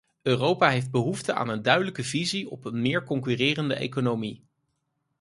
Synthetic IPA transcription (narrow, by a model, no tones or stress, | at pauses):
øːrowpaːɦejfd̚bəɦuftəʔa̰ːnəndœɥdələkəviziɔ̰pənmɪːɹkɔŋkyrɪːrəndə̰ʔḛjkonowmi